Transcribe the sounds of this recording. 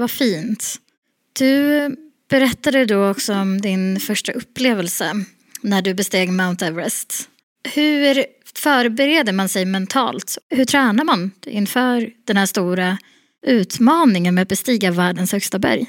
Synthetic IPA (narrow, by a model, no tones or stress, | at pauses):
vafiːnt̪ | d̪̥ɵ | b̥ɛɾɛt̪ːad̪əd̪ɔɔksɔɔmd̪ɪnfœʂʈaʔɵpːleːvɛlsə | næɖɵbɛst̪eːɡmaʊnt̪ɛvɾɛst̪ | hɵɾ | fœːɾbɛɾeːd̪əmansɛjmɛnt̪ʰɑ̰ːlt̪hɵʈʰɾɛːnaɾmanɪ̰nfœːɾd̪̥ɛnhæːʂt̪uːɾa | ʉ̟ːt̪mɑːnɪŋənmɛat̪̚bɛst̪iːɡavæːɖənshœkst̪abæ̰ɾj